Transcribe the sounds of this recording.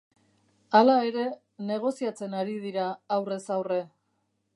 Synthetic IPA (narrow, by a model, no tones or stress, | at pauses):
alae̞ɾe̞ | ne̞ɣ̞o̞siat͡se̞naɾið̞iɾaːwre̞sawre̞